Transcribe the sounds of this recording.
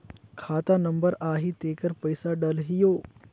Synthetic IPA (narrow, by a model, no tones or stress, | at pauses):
kʰaːt̪anɐ̃mbəɾaːɦit̪eːkəɾpɐɪsaɖɐlɦɪjoː